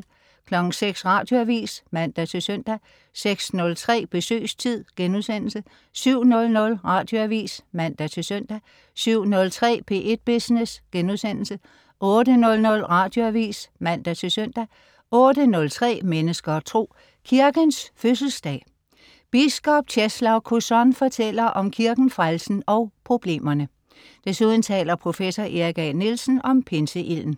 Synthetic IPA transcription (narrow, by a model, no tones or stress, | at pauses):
kʰlɒ̽ɡ̥n̩seɡ̥sʁɑ̈ːd̥jo̝æʋḭːsmæn̰d̥æt͡sʰe̝sœn̰d̥æ | seɡ̥snɔ̽lt͡sʰʁɛ̰ːb̥e̝sø̰ːst͡sʰið̰ˠɡ̥enuðˠsen̰l̩sə | syʊ̰nɔ̽lnɔ̽lʁɑ̈ːd̥joæʋḭːsmæn̰d̥æt͡sʰe̝søn̰d̥æ | syʊ̰nɔ̽lt͡sʰʁɛ̰ːpʰe̝̰ːʔe̝d̥̚b̥isnesɡ̥enuðˠsen̰l̩sə | ʔɔ̽ːdənɔ̽lnɔ̽lʁɑ̈d̥jo̝æʋḭːsmæn̰d̥æt͡sʰe̝søn̰d̥æ | ʔɔ̽ːd̥ənɔ̽lt͡sʰʁɛ̰ːmenəsɡ̥ɐt͡sʰʁo̝̰ː | kʰiɐɡ̥ənsføsl̩sd̥ɛ̰ː | b̥isɡ̥ɒ̽b̥̚t͡ɕʰeslɑʊkʰusɒnfɒ̽t͡sʰel̰ɐʔɒ̽mkʰiɐɡ̥n̩fʁalsn̩ɒ̽ʊpʰʁo̝b̥le̝̰ːmɐnə | d̥esuð̞ˠn̩t͡sʰɛ̰ːlɐpʰʁo̝fesɒʔe̝ʁiɡ̥ænilsn̩ɒ̽mpʰe̝nsəʔil̰n̩